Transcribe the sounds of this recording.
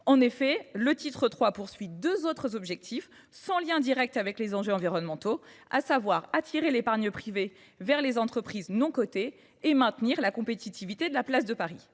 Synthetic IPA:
ɑ̃nefɛlət̪it̪χət̪χwapuʁsɥid̪øzot̪χəzɔbʒɛk̚t̪ʰif | sɑ̃ljɛ̃d̪iʁɛk̚t̪avɛklezɑ̃ʒøɑ̃viʁɔnmɑ̃t̪oa̰savwaʁat̪ʰiʁelepaʁɲəpχive | vɛʁlezɑ̃t̪χəpχiznɔ̃kot̪e | emɛ̃t̪niʁlakɔ̃pet̪it̪ivit̪ed̪əlaplas̬d̪əpaʁi

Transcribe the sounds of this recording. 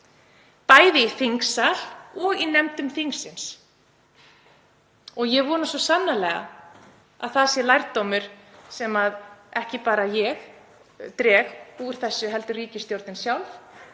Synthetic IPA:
paːjðɪiθiŋksal̥ɔɣinɛmt̪ʏmθiŋksɪns | ɔɣjɛɣvɔːɾnasɔsanːalɛɣa̰ | a̰ðθasɪlajɾt̪ːowmʏɾ̥sɛmaðɛhcɪpaːɾajɛɣ | t̪ɾɛːɣuɾ̥θɛsːʏɦɛlt̪ʏriːcɪst̪jowɾt̪nɪnsjawlf

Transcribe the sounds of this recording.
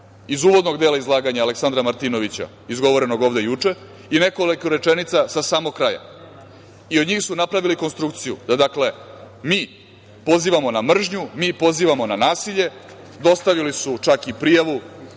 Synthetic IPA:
izuːʋo̞d̪no̞ɡd̪e̞ːlaizlˠaːɡaɲaːleksand̪ɾamaɾt̪ino̞ʋit͡ɕa̰ | izɡo̞ʋo̞ɾe̞no̞ɡo̞ːʋd̪e̞jut͡ʂe̞ | ine̞kolikuɾe̞t͡ʃenit̪sasasaːmoɡkːɾaːja̰ | io̞d̪ɲiːxsunapɾaʋiliko̞nst̪ɾukt̪sijṵd̪ad̪akle̞ | miː | po̞ziːʋamo̞namr̩ʒɲumiːpo̞ziːʋamonanaːsiʎe̞ | d̪o̞st̪aʋilisut͡ʃakipɾijaʋu

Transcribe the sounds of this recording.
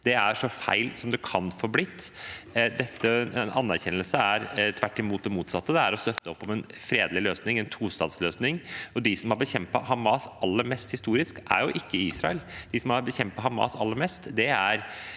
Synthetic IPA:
d̪̥ɛæʂɔfæ̰ɪlsɔmd̪ɛkʰɑnfoːblɪt̪ːd̪ɛt̪ːənɑnːæɾçɛnːəlsəæɾt̪ʰʋæʈːɪmuːt̪̚d̪ɛmuːt̪sɑt̪ːəd̪ɛæɾɔst̪œt̪ːəɔpːɔmɛnfɾeːd̪lɪløːsnɪŋɛnt̪ʰuːst̪ɑ̰ːd̪sløːsnɪŋɔd̪ɪsɔmhɑɾbəçɛmpɑhɑmɑːsɑlːəɾmɛst̪hɪst̪uːɾɪskʔæ̰ɾjʊʔɪkːəiːsɾɑ̰əld̪ɪsɔmɑɾbəçɛmpɑhɑmɑ̰ːsɑ̰lːəɾmɛst̪d̪ɛæɾ

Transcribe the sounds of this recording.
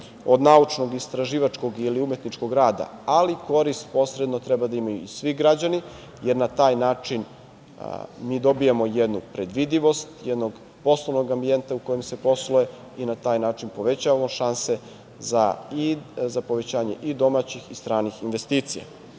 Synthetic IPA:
o̞d̪naut͡ʃno̞ɡist̪ɾaʒiːʋat͡ʃko̞ɡiliume̞t̪nit͡ʃko̞ɡɾaːd̪a̰aliko̞ɾist̪̚po̞sɾed̪no̞t̪ɾɛbad̪aimajuisʋiɡɾad͡ʑani | jeɾnat̪aːjnaːt͡ʂin | miːd̪o̞bijamo̞jed̪nupɾe̞d̪ʋid̪iʋo̞st̪jed̪no̞ɡ | po̞sloʋnoɡambie̞nt̪auko̞jemse̞po̞sloje | inat̪aːjnaːt͡ʃinpo̞ʋe̞t͡ɕaʋamo̞ʃanse | zaizapo̞ʋe̞t͡ɕaːɲe̞̰ʔid̪o̞mat͡ɕixist̪ɾaːnixinʋest̪iːt̪sija̰

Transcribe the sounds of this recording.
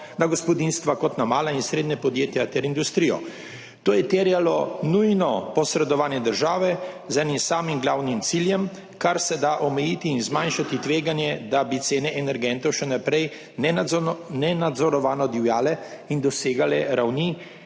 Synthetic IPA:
naɡɔspɔd̪inst̪ʋakɔt̪namaːlainsɾeːd̪nɛpɔd̪jeːt̪jat̪ɛɾind̪ust̪ɾijɔ̰ | t̪oːjɛt̪ɛɾjalɔnujnɔpɔsɾɛd̪ɔʋaːnjɛd̪əɾʒaːʋɛ | zɛnimsaːmimɡlaːwnimt̪siljɛm | kaɾsɛd̪aʔɔmɛjiːt̪iːnzmanʃat̪it̪ʋeːɡanjɛd̪abit̪seːnɛʔɛnɛɾɡɛnt̪ɔwʃɛnapɾɛj | nɛnɛnad̪zɔɾɔʋaːnɔd̪iwjaːlɛind̪ɔseːɡalɛɾawni

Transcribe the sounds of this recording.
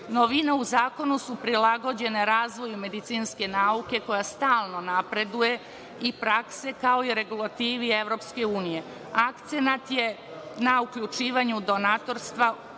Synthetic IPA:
noʋineuzaːko̞nusupɾilˠaɡo̞d͡ʑe̞ne̞ɾaːzʋo̞jume̞d̪it̪siːnske̞naːuke̞ko̞jast̪aːlˠno̞napɾe̞d̪uje̞ | ipɾakse̞kao̞iɾe̞ɡulˠat̪iːʋie̞ʋɾo̞ːpske̞uːnije̞ | akt̪senat̪je̞ | naukʎut͡ʃiːʋaɲud̪o̞nat̪o̞ɾst̪ʋa

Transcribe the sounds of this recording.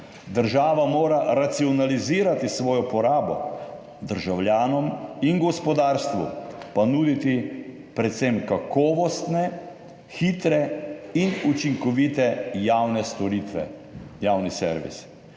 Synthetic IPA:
d̪əɾʒaːʋamoːɾaɾat̪siɔnaliziːɾat̪isʋɔːjɔpɔɾaːbɔ̰ | d̪əɾʒawljaːnɔminɡɔspɔd̪aːɾst̪ʋṵpanuːd̪it̪i | pɾɛt̪semkakɔːʋɔst̪nɛ | xiːt̪ɾɛinut͡ʃiŋkɔʋit̪ɛjaːwnɛst̪ɔɾit̪ʋɛ̰ | jaːwnisɛ̰ɾʋḭs

